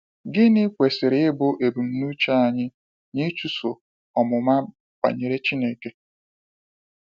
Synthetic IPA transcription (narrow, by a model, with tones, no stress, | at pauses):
ɡɪ˦nɪ˦kʷe˨sɪ˨ɾɪ˨ɪ˦bʊ˦ʔe˨bu˨m̩˨nu˦t͡ʃa˦a˨ɲɪ˦ | ɲɪ˦t͡ʃu˦so˨ | ɔ˨mʊ˨ma˦ | pa̰˨ɲe˨ɾe˦t͡ʃi˦ne˦ke˦